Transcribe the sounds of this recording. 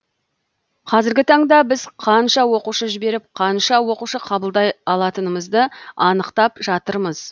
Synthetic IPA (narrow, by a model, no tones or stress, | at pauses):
qʰɑzɪɾɡʲɪt̪ʰɑɴd̪ɑbɪzqʰɑnʃɑwo̞quʃəʒɪbe̞ɾɪp̚qʰɑnʃɑwo̞quʃəqʰɑbəlˠd̪ɑjɑlˠɑt̪ənəməzd̪əɑnəqt̪ɑpʒɑt̪əɾməz̥